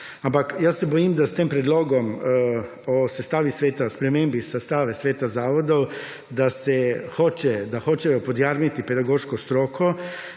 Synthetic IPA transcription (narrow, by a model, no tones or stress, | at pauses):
ampakjasɛbɔjimd̪ast̪eːmpɾɛd̪loːɡɔm | ɔsɛst̪aːʋisʋeːt̪aspɾɛmeːmbisast̪aːʋɛsʋeːt̪azaːʋɔd̪ɔw | d̪asɛxoːt͡ʃɛd̪axoːt͡ʃɛjɔpɔd̪jaɾmit̪ipɛd̪aɡoːʃkɔst̪ɾoːkʰɔ